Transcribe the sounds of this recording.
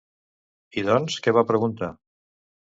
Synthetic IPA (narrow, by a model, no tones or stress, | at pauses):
iðɔnskɛβapɾəɣunt̪a